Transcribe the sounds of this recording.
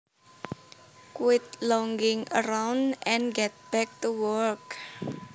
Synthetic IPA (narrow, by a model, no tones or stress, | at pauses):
kwɪt̪̚lɔŋɡɪ̃ŋə̰ɾawndɛ̃nɡɛt̪̚b̥ɛk̚tuwɔɹk